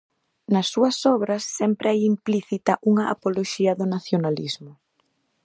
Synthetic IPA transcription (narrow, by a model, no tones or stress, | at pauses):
nɐsːuɐsɔβɾɐsːɛmpɾɛjimpliθit̪ɐʔuŋɐʔa̰poloʃiɐðʊnaθjonalizmʊ